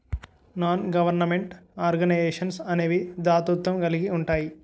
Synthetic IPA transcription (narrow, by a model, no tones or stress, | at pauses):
naːnɡɐʋɐɾnɐme̞ɳʈaːɾɡɐnɐjeːʂɐnsɐneːʋid̪aːt̪ut̪ʋɐmɡɐliɡiuɳʈaːji